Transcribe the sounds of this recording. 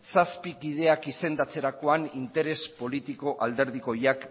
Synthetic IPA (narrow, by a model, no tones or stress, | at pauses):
saspikið̞e̞akise̞nd̪at͡se̞ɾako̞anint̪e̞ɾe̞spo̞lit̪iko̞ʔald̪e̞ɾð̞iko̞jak